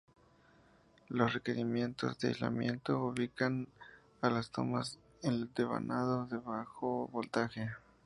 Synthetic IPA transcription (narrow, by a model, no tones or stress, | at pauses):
losreke̞ɾimje̞nt̪o̞̰zðea̰jzla̰mjẽnt̪ouβikan | alast̪o̰mas | end̪eβa̰nʔaðoðeβaxoβolt̪axe